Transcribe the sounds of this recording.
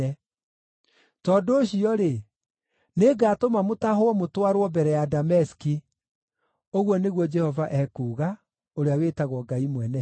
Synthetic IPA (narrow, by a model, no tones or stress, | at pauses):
ɛ | tɔːdoːɕiɔɾe | neɡaːtomamotaɦoɔmotwaɾwɔbɛɾɛjadamɛsi̥ki | oɣwɔneɣwɔd͡ʒɛhɔvaʔɛkuːɣa | oɾeawetaɣwɔɡaimwɛnɛ